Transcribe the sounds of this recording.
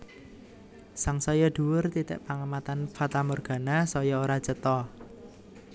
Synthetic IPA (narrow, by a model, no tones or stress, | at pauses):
saŋsɔjɔɖ̪̥uwʊrt̪it̪ɛ̰ʔpaŋəmat̪anfat̪amɔrɡ̥a̤nasɔjɔoɾḁt͡ʃət̪ɔ